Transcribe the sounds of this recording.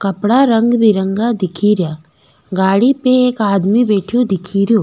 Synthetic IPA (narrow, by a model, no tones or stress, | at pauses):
kɐpɽaɾɐŋɡbiɾəŋɡad̪ɪkʰiːɾjaː | ɡaːɽipeeːkaːd̪mibeːʈʰijod̪ɪkʰiːɾjoː